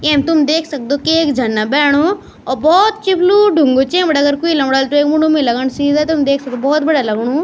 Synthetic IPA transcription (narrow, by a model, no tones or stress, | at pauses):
ẽːmt̪umd̪eːkʰsɐk̚d̪okieːkd͡ʒʱanːabɛːɽ̃o | ɔbɔːt̪t͡ʃipluɖʱuŋɡot͡ʃẽːmbəɽɐɡəɾkuilɐ̃mɽaːlt̪ueːkmuɽumilɐɡəɳsiːzat̪oumd̪eːkʰsɐk̚d̪obɔːt̪̚bɐɽalɐɡɽu